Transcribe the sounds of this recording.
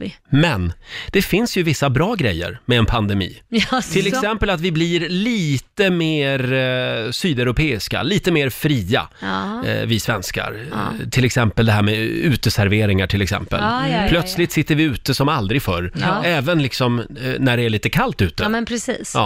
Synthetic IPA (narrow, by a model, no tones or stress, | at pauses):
mɛnd̪̥ɛfɪnsjɵvɪsːabɾɑːɡɾɛjːə̰ɾmɛːnpʰand̪ɛmḭːt̪ʰɪlɛksɛmpəlat̪vɪblɪɾliːt̪əmeːɾsyːd̪ɛɾʊpʰeːɪska̰liːt̪əmeːɾfɾiːa̰ | vɪsvɛnska̰ɾt̪ʰɪlɛksɛmpəld̪ɛɦæːɾmɛʉ̟ːt̪əsæɾveːɾɪŋaʈʰɪlɛksɛ̰mpə̰lpʰlœt̪slɪt̪sɪt̪ːəɾvɪʉ̟ːt̪əsɔmald̪ɾɪɡfœɾɛːvənlɪksɔmnæɖɛæɭiːt̪əkʰalt̪ʉ̟ːt̪əpʰɾɛsiːsɑ̰ː